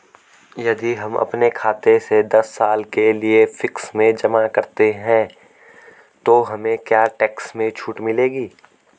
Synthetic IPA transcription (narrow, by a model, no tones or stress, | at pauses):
jɐd̪iɦɐmʔɐ̰pnekʰaːt̪esed̪ɐsːaːlkeliefɪksmẽd͡ʒɐmakɐɾt̪eɦɛ̃ː | t̪oɦɐmẽkjaːʈɛːksmẽt͡ʃʰuːʈmɪleːɡiː